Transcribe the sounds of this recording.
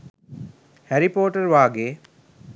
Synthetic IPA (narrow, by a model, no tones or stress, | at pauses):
hæɾipoːʈərʋaːɡeː